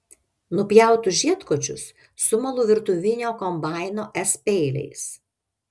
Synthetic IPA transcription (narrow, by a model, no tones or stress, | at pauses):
nʊpʲjæˑʊt̪ʊʒʲiɛt̪koːt͡ʃʲʊsː | ʊmɐlˠʊːʋʲɪɾt̪ʊʋʲɪnʲoːkɔmbɑˑɪnoːʔɛspʲɛɪlʲɛ̰ɪs